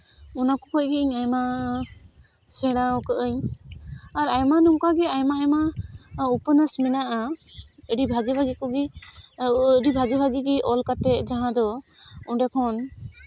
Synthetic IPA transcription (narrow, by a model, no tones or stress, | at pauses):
unakɔkɔʔ̚ɡiiɲajma | sɛɽaɔkəʔəɲ | aɾajmanuŋkaɡɛajmaajmaupənasminaʔaəɖibʱaɡibʱaɡikɔɡi | əɖibʱaɡibʱaɡiɡiʔɔlkat̪ɛʔd͡ʒaɦãd̪ɔuɖɛkʰɔn